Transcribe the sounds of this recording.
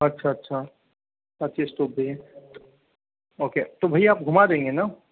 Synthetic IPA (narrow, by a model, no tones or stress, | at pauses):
ɐtːʃʰaɐtːʃʰa | sat̪ʃʰesʈoːp̚beɦɛ̃ | oːket̪obʱɐiaːp̚ɡʱʊmad̪ẽːŋɡena